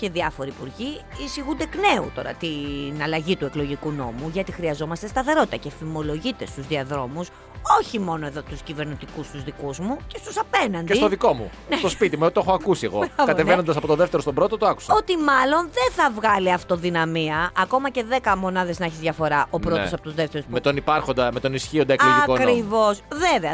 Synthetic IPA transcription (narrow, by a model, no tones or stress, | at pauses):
ce̞ðiɐfo̞ɾiːpuɾʝiisiɣund̪e̞kne̞ṵt̪o̞ɾɐ̰t̪inɐlɐʝit̪ueklo̞ʝikuno̞muʝɐt̪ixɾiɐzo̞mɐst̪est̪ɐθe̞ɾo̞t̪it̪ɐce̞fimo̞lo̞ʝit̪e̞st̪uzðiɐðɾo̞mus | o̞çimo̞noe̞ðo̞t̪uscive̞ɾnit̪ikust̪uzðikuzmuce̞st̪usɐpe̞nɐnd̪eist̪oðiko̞mṵ | net̪ospit̪imueot̪oexoɐkusieɣokɐt̪evenond̪ɐs̬ɐpo̞t̪oðeft̪eɾost̪obɾo̞t̪ot̪oaku̥sɐot̪imɐlo̞nðenθɐvɣɐliɐft̪o̞ðinɐmiɐːko̞mɐce̞ðe̞kɐmo̞nɐðe̞zneçizðʝɐfo̞ɾɐʔo̞pɾo̞osɐpo̞t̪uzðe̞ft̪eɾosmmet̪o̞nipɐɾxo̞nd̪ɐmet̪o̞nisçio̞nd̪ɐkiɐkokɾɾivo̞sveveɐ